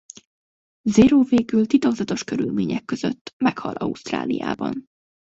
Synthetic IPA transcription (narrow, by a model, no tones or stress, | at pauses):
zeɾoːveːɡylt̪it̪oɡzɒt̪o̞ʃkø̞ɾylmeːɲɛkːøzøt̪ːmɛkhɒlʔɒust̪ra̰ːlija̰ːbɒ̰n